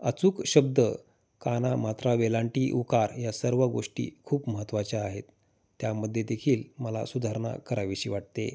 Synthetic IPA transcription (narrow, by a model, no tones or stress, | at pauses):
ət͡suːkɕəb̚d̪ə | kanamat̪ɾaʋelãɳʈiːʔukaɾjasəɾʋəɡoʂʈḭːkʰuːpməɦət̪ːʋat͡ɕaaɦet̪ː | jaməd̪ʱːjed̪ekʰiːlməla̰sud̪ʱaɾɳa̰kəɾaʋiɕiːʋaʈ̚t̪e